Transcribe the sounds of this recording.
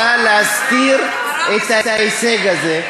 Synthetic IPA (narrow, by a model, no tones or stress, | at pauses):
alaːskiːɾ | et̪aaiseɡɐze